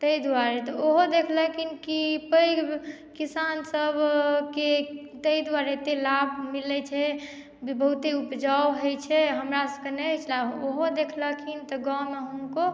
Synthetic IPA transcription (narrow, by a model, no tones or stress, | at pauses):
t̪əid̪waɾɛt̪ɔoɦod̪ekʰləkʰinkipəj | kisansəbʱke | t̪əid̪waɾet̪elabmilɛt͡ʃʰɛ | bbəɦut̪eupd͡ʒawɦəjt͡ʃʰɛɦəmɾasəkenɛɦt͡ʃʰlaooɦod̪ekʰləkʰint̪ɔɡãmeɦəmko